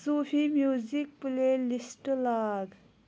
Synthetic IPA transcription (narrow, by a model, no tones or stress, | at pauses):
sufimjuːzik̚pulelisʈlaːd̪